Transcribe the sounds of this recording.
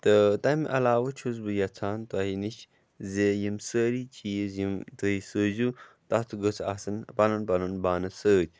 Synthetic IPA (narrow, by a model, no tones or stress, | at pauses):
t̪ət̪ɐmʔɐlaːʋət͡ʃʰuzbɨjɐt͡sʰaːnt̪waɦiniʃ | zejimsəːɾit͡ʃʰiːzjimt̪ɨisəːzu | t̪ɐt̪ʰuɡət͡sʰasɐnpɐnɐnpɐnɐnbaːnɐsəːd͡ʒ